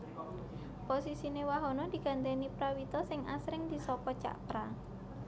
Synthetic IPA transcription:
posisinewaɦɔnɔd̪̥i̤ɡ̥a̤nt̪enipɾawit̪ɔsɪŋʔa̰sɾɪŋd̪̥i̤sɔpɔt͡ʃa̰ʔpɾa

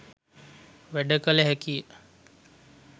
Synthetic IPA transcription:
ʋɛɖəkəleɦɛki

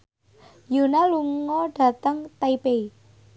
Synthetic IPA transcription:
junaluŋɔɖ̥ä̤t̪əŋt̪aipei

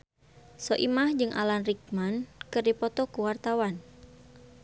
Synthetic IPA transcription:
sɔʔimahd͡ʒɨŋʔa̰lanrik̚mankɨrdipɔt̪ɔkuwart̪awan

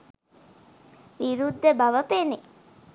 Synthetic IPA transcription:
ʋiɾud̪ːəbɐʋɐpene

